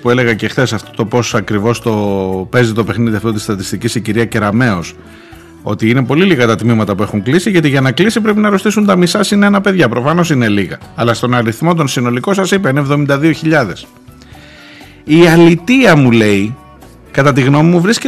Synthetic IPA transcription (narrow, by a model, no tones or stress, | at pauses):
pue̞le̞ɣɐce̞xθe̞sɐft̪ot̪o̞po̞sɐkɾivo̞st̪o̞pe̞zit̪ope̞xniðiɐft̪o̞t̪ist̪ɐt̪ist̪icisiciɾiɐce̞ɾɐme̞o̞s | o̞̰t̪iine̞po̞liliɣɐt̪ɐt̪mimɐt̪ɐpue̞xuŋklisiʝɐt̪iʝɐnɐklisipɾe̞p̬inɐɾost̪isunt̪ɐmisɐsineenɐpe̞ðʝɐpɾo̞fɐno̞sine̞liɣɐːlɐst̪o̞nɐɾiθmo̞t̪̬o̞nsino̞liko̞sɐsipeinevðo̞mind̪ɐðio̞çiʎɐðe̞s | iɐlit̪iɐmule̞i | kɐt̪ɐt̪iɣno̞mimuvɾisce